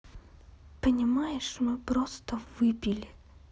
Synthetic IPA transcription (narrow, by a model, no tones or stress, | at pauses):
pənʲɪmajɪʂmɨpɾost̪əvɨpʲilʲɪ